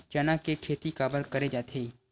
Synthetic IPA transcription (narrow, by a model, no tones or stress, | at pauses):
d͡ʒənãkekʰeːt̪ikaːbəlkəɾed͡ʒat̪ʰeː